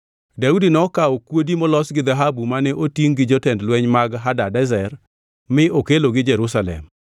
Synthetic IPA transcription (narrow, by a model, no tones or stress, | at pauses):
daudinɔkaɔkwodimɔlɔsɡɪd̪aɦabumanɛʔotiŋɡɪd͡ʒɔtɛndlwɛɲmaɡɦadadɛzɛr | mɪʔokeloɡɪd͡ʒɛɾusalɛ̰m